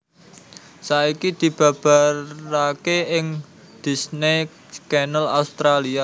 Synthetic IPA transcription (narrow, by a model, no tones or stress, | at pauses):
saikid̪̥i̤b̥a̤b̥a̤akeɪŋ | d̪̥i̤sne | kɛnəlaust̪ɾalia